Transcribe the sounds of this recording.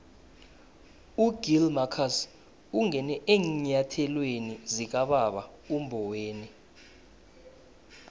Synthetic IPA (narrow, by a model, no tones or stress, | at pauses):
uɡ̥ilmakʰas | uŋɛnɛʔeːŋɲatʰɛlwenizik̬aɓaɓaumbʱɔweːni